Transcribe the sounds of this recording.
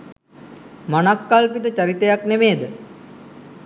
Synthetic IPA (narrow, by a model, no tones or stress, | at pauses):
manakːalpit̪ət͡ʃɐɾit̪ejaknemeːd̪ə